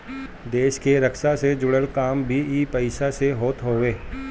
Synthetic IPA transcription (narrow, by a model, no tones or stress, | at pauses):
d̪eːʃkeɾɐkʃased͡ʒʊɽəlkaːmbʱiiːpɐɪʃaseɦoːt̪ɦoːʋeː